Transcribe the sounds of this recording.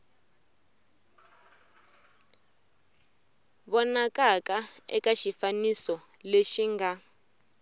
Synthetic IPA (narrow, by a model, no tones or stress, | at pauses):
βɔnakakaɛ̰kaʃifanisɔ | leʃiŋɡa